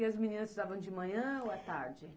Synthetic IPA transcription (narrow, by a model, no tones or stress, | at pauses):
ɪɐzminĩnɐzuzavɐ̃w̃d͡ʒɪmɐ̃ɲɐ̃oat̪aɾd͡ʒɪ